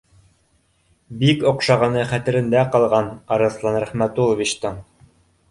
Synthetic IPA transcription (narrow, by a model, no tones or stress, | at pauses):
bikŏqʃɑʁɑnɤχæt̪ɘ̆ɾɘ̆nd̪æqɑlˠʁɑnɑɾɤ̆θlˠɑnɾæχmæt̪ulˠovʲit͡ɕt̪ɤɴ